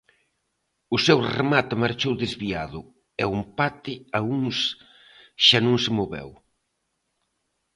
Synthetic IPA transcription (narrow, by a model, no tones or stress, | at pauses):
ʊsewremat̪ɪmaɾt͡ʃowðɪzβiaðʊ | ɛumpat̪ɪauŋs | ʃanõŋsɪmoβɛ̰w